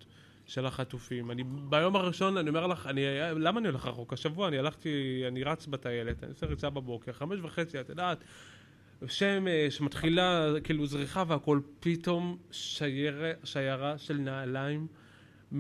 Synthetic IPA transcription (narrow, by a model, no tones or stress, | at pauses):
ʃe̞laχatufimanibajo̞maʁiʃo̞nanio̞me̞ʁlaχanialamaːnioleχaχokaʃavuaːnialaχtianiʁat͡sbataje̞le̞ta̰niseʁit͡sababo̞keʁχameʃvaχe̞t͡siat̪adaːt | ʃemeʃematχilakiːluzʁiχaveako̞lpito̞mʃaʃajaʁaʃe̞lnaːlaim